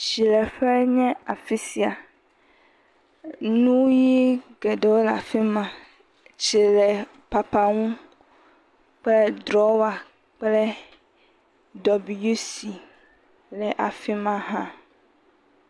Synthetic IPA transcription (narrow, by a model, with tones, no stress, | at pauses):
ʃi˨lɛ˨ɸɛ˦ɲɛ̃˦a˨fi˦si˨a˨ | nũ˦wji˦ɡɛ˨ɖe˨wo˦la̰˨fi˦mã˨ | t͡ʃi˨lɛ˨ | pa˨pa˦ŋũ˦ | k͡ple˦d̪ɾɔ˦wa˨ | k͡pleɛ˦ | dɔ˨bi˨ju˦si˨ | lɛ˨ʔa˨fi˦mã˦ɦã˦